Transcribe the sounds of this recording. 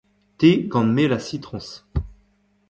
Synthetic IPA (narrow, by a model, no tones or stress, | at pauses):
t̪eɡɑ̃nmelasit̪χɔ̃s